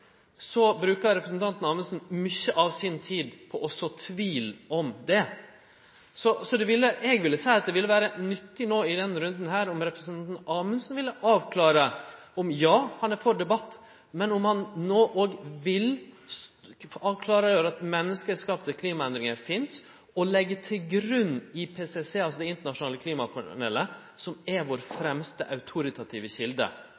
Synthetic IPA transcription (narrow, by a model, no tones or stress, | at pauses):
sɔbɾʉːkəɾɾɛpɾəsnt̪ʰɑnt̪n̩ɑːmʉnsn̩mʏçːəʔɑʋsɪnt̪ʰiːd̪pʰɔʔɔsɔt̪ʰʋiːlɔmd̪ɛ | sɔsɔd̪ɛʋɪlːəʔɛɡʋɪlːəsæɪɑt̪̚d̪ɛʋɪlːəʋæːɾənʏt̪ːɪnoːɪd̪ɛnɾʉnd̪n̩ɦæːɾʊmɾɛpɾəsnʰɑnt̪n̩ɑːmʉnsn̩ʋɪlːəʔɑːʋkʰlɑːɾə | ɔmjɑːhɑnæɾfɔɖɛbɑt̪ː | mɛnʊmhɑnnoːʔoːɡʋɪl | ɑːʋkʰlɑːɾəjøːɾɑt̪mɛnːəskəskɑːpt̪əkʰliːmɑɛnd̪ɾɪŋəɾfɪns | ɔlɛɡːətʰɪlɡɾʉnːɪpʰeːsɛseːɑlsɔd̪ɛɪnt̪əɳɑʂʊnɑːləkʰliːmɑkʰɑɳɛ̰ːlə | sɔmɛʋoːɾfɾɛmst̪əʔɑʉt̪ʰʊɾɪt̪ʰɑt̪ʰiːʋəçɪld̪ə̰